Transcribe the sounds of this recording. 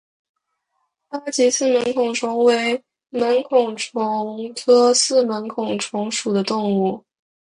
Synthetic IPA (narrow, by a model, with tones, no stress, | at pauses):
a˥t͡ɕi˧˥sɹ̩˥˩mə˧˥nkʰʊ˨˩ŋʈ͡ʂʰʊ˧˥ŋwe˧˥ɪ | mə˧˥nkʰʊ˨˩ŋʈ͡ʂʰʊ˧˥ŋtʰɤ˥sɹ̩˥˩mə˧˥nkʰʊ˨˩ŋʈ͡ʂʰʊ˧˥ŋʂu˨˩d̪ə˦t̪ʊ˥˧ŋu˥˩